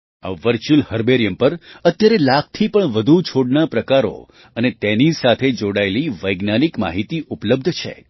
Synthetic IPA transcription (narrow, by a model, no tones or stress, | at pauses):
a̰ʋəɾt͡ʃulhəɾbeɾjəmpəɾət̪jaɾelak̚t̪ʰipəɳʋəd̪ʱut͡ʃʰoɽnapɾəkaɾo̰ | ənet̪enisat̪ʰed͡ʒoɽaeliʋəjɡnanikma̰ɦit̪iʔupləb̚d̪ʱt͡ʃʰḛ